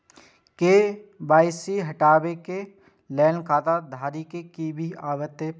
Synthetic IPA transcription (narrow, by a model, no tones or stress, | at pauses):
keːbaːɪsiɦɐʈaːbeke | lɛːnkʰaːt̪ad̪ʱaːɾikekiːbʱiaːwət̪ːe